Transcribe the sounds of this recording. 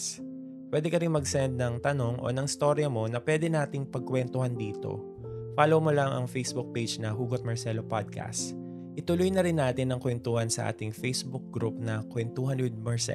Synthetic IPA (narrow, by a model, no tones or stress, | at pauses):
pwɛːd̪ɛkɐɾɪnmɐɡsɛnd̪̚nɐŋt̪ɐno̞ŋʔo̰nɐŋɪst̪o̞ɾjɐmo̞nɐpwɛd̪ɛnaːt̪ɪŋpɐɡ̚kwɛnt̪ʊhɐnd̪iːt̪o̞̰ | faːlomolɐŋʔɐ̰ŋfejsbʊk̚pejd͡ʒnɐɦuːɡot̪̚mɐɹsɛlopad̪̚kʰɐ̰st̪ | ʔɪt̪ʊlʊjnɐɾɪnːaːt̪ɪnːɐŋkwɛnt̪uːhɐnsɐ̰ʔa̰ːt̪ɪŋfejsbʊk̚ɡɾup̚nɐkwɛnt̪uːhɐnʊd̪̚mɐɹsɛ̰